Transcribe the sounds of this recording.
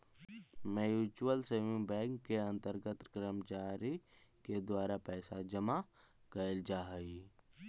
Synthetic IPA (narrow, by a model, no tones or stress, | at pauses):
mɛ̃juːt͡ʃuwəlseːmɪ̃ŋbɛ̃ːŋkkːeɐ̃nt̪əɾɡət̪kɾəmət͡ʃaːɾi | ked̪waːɾapɛːsad͡ʒəma | kəɪld͡ʒaːɦi